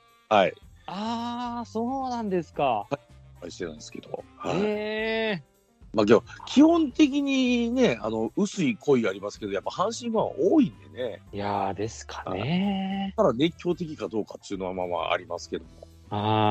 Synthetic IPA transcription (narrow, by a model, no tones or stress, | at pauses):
haiasoːnãnd̪e̞sɨ̥kaha | kaiɕi̥t̪e̞nã̰ĩsɨ̥ke̞d̪o̞̰ha̰ei | mak̬eakʲʰihõ̞nt̪e̞k̬ʲiɲ̟ine̞a̰no̞ɯ̟sɨikʰo̞iaɾʲimasɨ̥ke̞d̪ojapːahãɰ̃ɕĩmmãβa̰ʔoːĩnd̪e̞̰ne̞jad̪e̞sɨ̥kʰḁn̰eaɾane̞kʲːo̞ːt̪e̞k̬ʲikad̪o̞ːkat̪ːɨiɯ̟no̞βamama̰a̰ɾʲimasɨ̥ke̞d̪o̞̰mo̞ | a